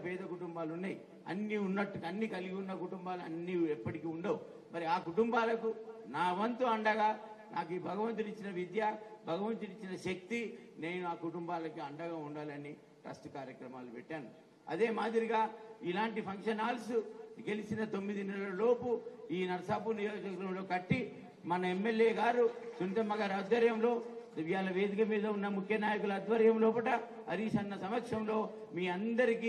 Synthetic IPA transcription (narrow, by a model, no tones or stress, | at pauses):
pɛːd̪ɐkuʈumbaːlunːaːji | ɐ̰nːiunːɐʈːukɐnːikɐliɡiunːɐkuʈumbaːlɐnːiɛpːɐʈikiːuɳɖɐːwu | mɐɾiaːkuʈumbaːlɐkunaːʋɐnt̪uɐɳɖɐɡaːnaːk̬iːbʱɐɡɐʋɐnt̪̬unit͡ʃːinɐʋid̪jaːbʱɐɡɐʋɐnt̪unit͡ʃːinɐʃɐk̚t̪ine̞ːnuaːkuʈumbaːlɐkiɐɳɖɐɡaːuɳɖaːlɐnːi | ʈɾɐ̰sʈkaːɾjɐkɾɐmaːlupɛʈːaːnu | ɐ̰d̪e̞ːmaːd̪iɾiɡaːilaːɳʈipʰɐŋkʂɐnaːlsuɡe̞lisinɐt̪omːid̪inɛlɐlo̞ːpuiːnɐɾɐsaːpunijoːd͡ʒɐkɾɐmlo̞ːkɐʈːi | mɐnɐemːe̞ljeːɡaːɾusunt̪ɐmːɐɡaːɾɐd̪ʋɐɾjɐmlo̞ːjaːlɐʋe̞ːd̪ikɐmiːd̪ɐunːɐmukʰjɐnaːjɐkulɐd̪ʋɐɾjɐmloːpɐʈɐ | ɐɾisɐnːɐsɐmɐkʂɐmlo̞ː | miːɐnd̪ɐɾikiː